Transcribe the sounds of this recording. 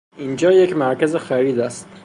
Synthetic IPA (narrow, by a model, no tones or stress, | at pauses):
iːnd͡ʒɒːjecmæɾkæzexæɾiːd̪æst̪